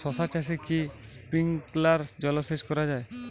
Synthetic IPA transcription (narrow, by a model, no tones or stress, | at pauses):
sɔsat͡ʃaʃ̬ekispiŋklaɾd͡ʑɔloʃeʃkɔɾad͡ʑae